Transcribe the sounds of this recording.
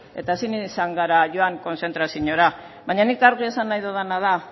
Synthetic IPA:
e̞t̪aesinisaŋɡaɾaʝo̞aŋko̞nse̞nt̪ɾasiɲo̞ɾa | βaɲanikaɾɣie̞sanːajðoðanað̞a

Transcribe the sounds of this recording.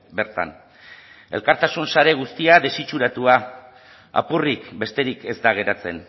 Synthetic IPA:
be̞ɾt̪a̰n | e̞̰lkaɾt̪asunsaɾe̞ɣ̞ust̪iaðe̞sit͡ʃuɾat̪ua | a̰purikbe̞st̪e̞ɾike̞zd̪aɣ̞e̞ɾat͡se̞n

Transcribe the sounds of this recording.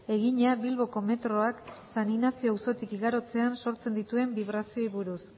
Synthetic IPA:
e̞ɣiɲaβilβo̞ko̞me̞t̪ɾo̞aksaninafioawso̞t̪ikiɣaɾo̞t͡se̞anso̞ɾt͡se̞nd̪it̪ue̞mbiβ̞ɾasio̞iβuɾus

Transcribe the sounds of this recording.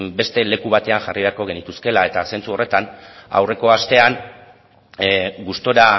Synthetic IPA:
be̞st̪e̞le̞kuβ̞at̪e̞anʝariβ̞e̞aɾko̞ɣe̞nit̪uske̞lae̞t̪ase̞nt͡suo̞re̞t̪ana̰wre̞ko̞ast̪e̞an | ɡust̪o̞ɾa

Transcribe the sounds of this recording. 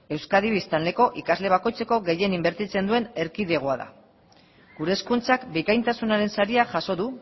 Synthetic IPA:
e̞wskaðiβist̪anle̞ko̞ʔikazle̞β̞ako̞jt͡se̞ko̞ɣe̞je̞nimbe̞ɾt̪it͡se̞nd̪ue̞ne̞ɾkiðe̞ɣ̞oaða̰ | ɡuɾe̞ːskunt͡sakbikajnt̪asunaɾe̞nsaɾiaʝaso̞ðu

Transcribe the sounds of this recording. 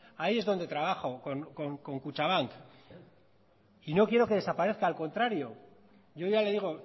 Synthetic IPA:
aiezðo̞nd̪e̞t̪ɾaβ̞aχo̞koŋkoŋko̞ŋkut͡ʃaβaŋk | ino̞kjeɾo̞ke̞ð̞esapaɾe̞θkaːlko̞nt̪ɾaɾjo̞ | ʝo̞ʝale̞ðiɣ̞o̞

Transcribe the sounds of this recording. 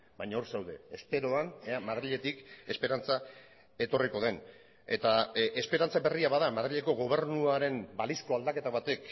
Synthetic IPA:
baɲao̞ɾsewðe̞espe̞ɾo̞aneamaðɾiʎe̞t̪ike̞spe̞ɾant͡sa | e̞t̪o̞riko̞ð̞en | e̞t̪aʔe̞spe̞ɾant͡saβe̞riaβaðamaðɾiʎe̞ko̞ɣo̞β̞e̞ɾnuaɾe̞mbalisko̞ald̪ake̞t̪aβat̪e̞k

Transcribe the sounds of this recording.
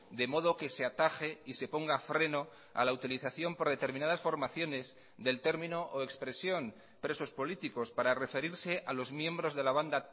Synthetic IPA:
d̪e̞mo̞ð̞o̞ke̞se̞at̪axeise̞po̞ŋɡafɾe̞no̞ | a̰laut̪iliθaθjo̞mpo̞ɾð̞e̞t̪e̞ɾminað̞asfo̞ɾmaθjo̞ne̞z | ðe̞lt̪e̞ɾmĩno̞ʔoe̞kspɾe̞sjo̞n | pɾe̞so̞spo̞lit̪iko̞spaɾare̞fe̞ɾiɾse̞ʔalo̞zmjẽ̞mbɾo̞zðe̞laβ̞and̪a

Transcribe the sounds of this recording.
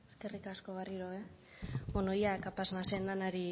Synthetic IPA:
eskerikasko̞ɣariɾoe | bonojakapasnasend̪anaɾi

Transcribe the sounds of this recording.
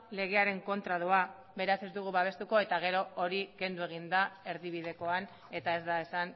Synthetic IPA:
le̞ɣ̞e̞aɾe̞ŋko̞nt̪ɾað̞ua | be̞ɾase̞zd̪uɣ̞uβaβ̞e̞st̪uko̞e̞t̪aɣ̞e̞ɾo̞oɾike̞nd̪ue̞ɣ̞ind̪ae̞ɾðiβ̞iðe̞ko̞an | e̞t̪ae̞zd̪ae̞san

